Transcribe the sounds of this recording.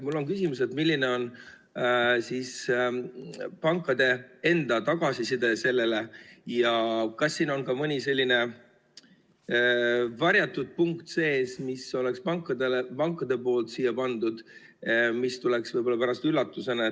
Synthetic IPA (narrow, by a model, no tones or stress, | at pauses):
mulːo̞ŋkysʲimus̬e̞t̪milːine̞o̞n | siːs | pɑŋkːˑɑd̪̥e̞e̞nd̪̥ɑt̪ɑɡ̥ɑsisid̪̥e̞se̞lːe̞le̞jɑkɑsːiːno̞nkɑmɤnʲise̞lʲːine̞ | vɑɾjɑt̪ːˑud̪̥̚puŋkt̪se̞ːsmiso̞le̞kspɑŋkːˑɑd̪elepɑŋkːˑɑd̪̥e̞po̞ːlt̪siːjːɑpɑnd̪ud̪̥ | mist̪ule̞ksvɤjbo̞lːɑpæɾɑst̪ylːɑt̪ːˑusenɑ